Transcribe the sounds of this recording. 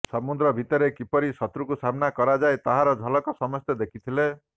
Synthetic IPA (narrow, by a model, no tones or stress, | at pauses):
sɔmud̪ɾɔbʱit̪ɔɾekipɔɾisɔt̪ɾukusamnakɔɾad͡ʒaet̪aɦaɾɔd͡ʒʱɔlɔkɔsɔmɔst̪jɔd̪ekʰit̪ʰile